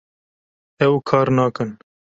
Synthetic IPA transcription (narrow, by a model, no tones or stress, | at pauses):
ɛwkʰɑːɾnɑːkɨn